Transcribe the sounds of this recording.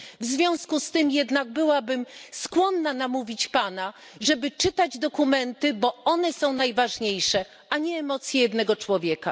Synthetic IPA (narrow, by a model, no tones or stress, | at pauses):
vzvʲjɔ̃w̃skust̪ɘmjɛd̪naɡ̚bɘwabɘmskwɔnːanamuvʲit͡ɕpana | ʐɛbɘt͡ʂɘt̪ad͡ʑd̪ɔkumɛnt̪ɘbɔɔnɛsɔ̃w̃najvaʐɲejʂɛ | ʔaɲɛːmɔt̪sʲjɛjɛd̪nɛɡɔt͡ʂwɔvʲjɛka